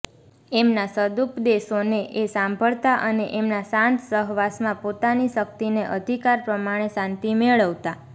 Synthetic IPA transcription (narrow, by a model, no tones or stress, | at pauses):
emnasəd̪upd̪eʃoneʔesãmbʱəɭt̪aʔəneʔemnasãnt̪səɦʋasmãpot̪aniʃək̚t̪ineʔəd̪ʱikaɾpɾəmaɽ̃esãnt̪imeɭəʋt̪a